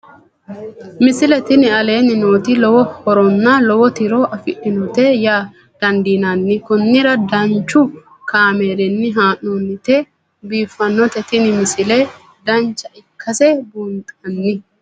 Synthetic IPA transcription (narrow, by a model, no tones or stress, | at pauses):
mɪsɪlɛt̪ɪnɪɐle̞ːnːɪnoːt̪ɪlɔwɔhɔɾɔnːɐlɔwɔt̪ɪɾoːʔɐfɪᶑːɪnɔt̪ɛjaː | d̪̥ɐnd̪iːnanːɪkʊnːɪɾɐd̪ɐnt͡ʃːʊ | kaːmeːɾɛnːɪɦaːnːoːnːɪt̪ɛ | biːfːɐnːɔt̪ɛt̪ɪnɪmɪsɪlɛ | d̪ɐnt͡ʃːɐɪkʰːɐsɛbuːnt̪ʼɐnːɪ